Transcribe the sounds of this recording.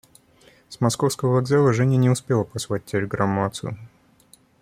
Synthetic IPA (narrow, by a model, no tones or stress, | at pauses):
smɐskofskəvəvɐɡzalˠəʐɛnʲənʲɪʊspʲelˠəpɐsvat̚ʲtʲɪlʲɪɡɾamːat̪sɨjʊ